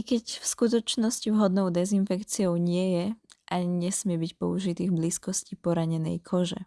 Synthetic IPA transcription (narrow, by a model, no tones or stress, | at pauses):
ikɛcfskut̪̬ɔt͡ʃnɔscivɦɔd̪nɔʊd̪ɛzinfɛkt͡siɔʊɲɪɛjɛʔaɲɛsmɪɛbicpɔ̰uʒit̪iːɣbliːskɔscipɔɾaɲɛnɛ̰jkʰɔʒɛ̰